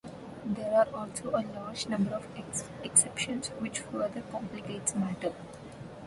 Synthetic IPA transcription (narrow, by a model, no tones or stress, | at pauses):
d̪eːɾaːɾɔːlsoːəlaːɾd͡ʒnʌ̃mbəɾɔʋeksɛpʃə̃nsʋɪt͡ʃfəd̪əɾkɔ̃mplɪkeːʈsmæʈəl